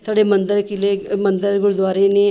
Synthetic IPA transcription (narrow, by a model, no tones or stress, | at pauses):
saːɖeːmənd̪əɾkɪleːmənd̪əɾɡʊɾd̪waːɾeːneː